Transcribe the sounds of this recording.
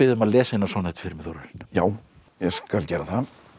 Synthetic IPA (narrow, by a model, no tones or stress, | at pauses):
ɪðʏmaðlɛːsainːasvɔːnɛt̪ɪ̥fɪɾmɪθoɾʏɾɪn̥jaːw | jɛskalcɛːɾaθa